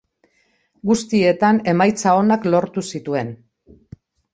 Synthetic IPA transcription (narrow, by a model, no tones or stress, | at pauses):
ɡust̪ie̞t̪ane̞majt͡sao̞naklo̞ɾt̪usit̪ue̞n